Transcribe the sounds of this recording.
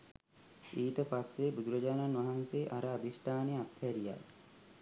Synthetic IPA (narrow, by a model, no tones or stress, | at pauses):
iːʈəpasːebud̪uɾɐd͡ʒaːnanʋaɦanseʔaɾəad̪isʈʰaːneat̪hɛɾija̰